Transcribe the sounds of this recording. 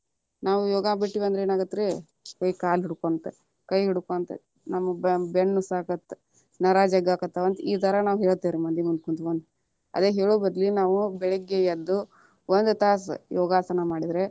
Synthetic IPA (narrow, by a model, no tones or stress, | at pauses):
naːʋujɔːɡabiʈːiʋɐnd̪ɾeːnaːɡɐt̪ːɾe | kɐjkaːlɦiɽukont̪e | kɐjɦiɽukont̪ḛ | nɐmːɐbeɳːusaːkɐt̪ːe | nɐɾaːd͡ʒɐɡaːkɐt̪ːɐʋɐnt̪iːt̪ʰɐɾɐnaːʋɦeɭt̪ːeːɾimɐnd̪imund̪ukont̪ʋɐnd̪u | ɐ̰d̪eːɦeːɭubɐɾlinaːʋubɛɭɛɡejɐd̪ːu | ond̪ut̪aːs̬jɔːɡaːsɐnɐmaːɽid̪ɾe